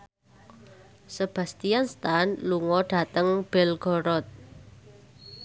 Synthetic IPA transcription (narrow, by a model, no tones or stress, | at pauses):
səb̥ä̤st̪ijanst̪anluŋɔɖ̥a̤t̪əŋb̥ɛlɡ̥ɔ̤ɾɔt̪̚